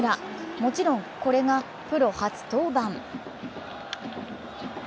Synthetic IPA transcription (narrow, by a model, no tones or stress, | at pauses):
ɾamo̞t͡ɕiɾõ̞ŋko̞ɾe̞ŋa | pɯ̟ɾo̞hat͡sɨ̥t̪o̞ːbãm